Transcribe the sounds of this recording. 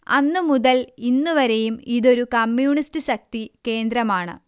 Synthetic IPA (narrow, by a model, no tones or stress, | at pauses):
ɐ̰nːɨmuðɐlinːuʋɐɾe̞jumiðo̞ɾukɐmːjuːɳistɨɕɐk̚t̪ike̞ːnd̪ɾɐmaːɳɨ̰